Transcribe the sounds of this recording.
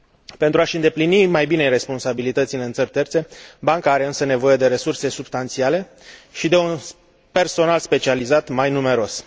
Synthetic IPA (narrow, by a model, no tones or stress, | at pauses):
pe̞nt̪ɾuaʃɨnd̪e̞plinimajbine̞jre̞spo̞nsabilit̪ət̪sileɨnt̪sərʲt̪e̞rt̪se̞baŋkaaɾe̞ɨnsəne̞vo̞je̞d̪e̞ɾe̞surse̞subst̪ant̪siale̞ | ʃid̪e̞un | pe̞rso̞nalspe̞t͡ʃializat̪majnume̞ɾo̞s